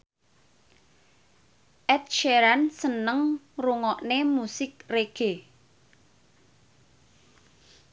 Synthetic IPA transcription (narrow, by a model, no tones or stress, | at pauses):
ʔɛt̪̚ʃeɾansənəŋruŋɔʔnemusɪk̚reɡ̥e